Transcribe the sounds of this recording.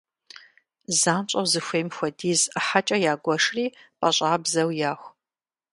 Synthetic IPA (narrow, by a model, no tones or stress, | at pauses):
zaːmt͡ʃʼɐwzɨxʷejmxʷɐdiːzħat͡ʃʼɐjaːɡʷɔʂriːpʼɐɕʼaːbzɐwjaːxʷ